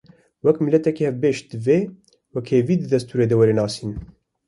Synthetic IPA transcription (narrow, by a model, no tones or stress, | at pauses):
wɛkmilɛt̪ɛkihɛvbeːʃ̚d̪ɨveː | wɛkheːviːd̪ɨd̪ɛst̪uːɾeːd̪ɛwɛɾeːnɑːsiːn